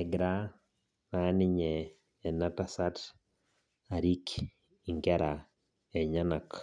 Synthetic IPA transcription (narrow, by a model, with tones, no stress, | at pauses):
ɛ˨ɡɾa˦ | ma˨˦nɪ˦ɲɛː˨ | na˦ta˦sa˦t | a˨ɾi˦k | i˨ŋɡɛ˦ɾa˨ | ɛ˨ɲa˦na˨k